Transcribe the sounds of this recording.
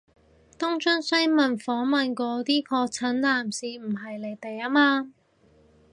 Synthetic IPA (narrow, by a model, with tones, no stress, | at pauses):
t̪ʊ˥ŋt͡ʃɵ˥ŋsɐ˥mɐ˨˩nfɔː˨˥ŋmɐ˨nkɔː˨˥t̪iː˥kʰɔː˧k̚t͡sʰɐ˨˥nlaː˨msiː˨˧m̩˨˩ɦɐ˨jle˨˩jt̪e˨jaː˥maː˧